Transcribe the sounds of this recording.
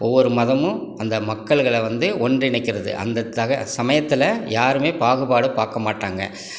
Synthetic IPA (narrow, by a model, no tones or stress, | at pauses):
ɔʋːɔɾɯmɐðɐmɯ̃ɐnd̪ɐmɐkːɐɭɣɐɭɛʋɐnd̪ɯʔɔndrɪɳɪkːɪɾɐðɯ̰ʔɐ̰nd̪ɐt̪ːaɣɐsɐmɐjɐt̪ːɪlɐjaːɾɯmeːpaːɣɯbaːɽɯpaːɾkɐmaːʈːaːŋɡɐ̰